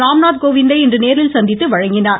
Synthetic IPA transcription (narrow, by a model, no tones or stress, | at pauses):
ɾaːmnaːt̪̚koːʋɪnd̪ɐɪɛndrɯneːɾɪlsɐnd̪ɪt̪ːɯʋɐɻɐŋɡɪnaːɾ